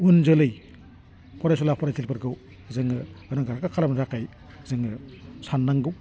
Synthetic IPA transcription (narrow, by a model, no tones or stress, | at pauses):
unzɯlɯj | pʰɔɾajsulapʰɔɾazilpaɾɡɯw | zɯŋɯɯnaŋɡaɾakakʰalamnɾakaj | zɯŋɯsanːaŋɡɯw